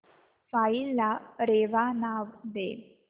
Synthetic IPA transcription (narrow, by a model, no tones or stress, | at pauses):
failaɾeʋanaʋd̪e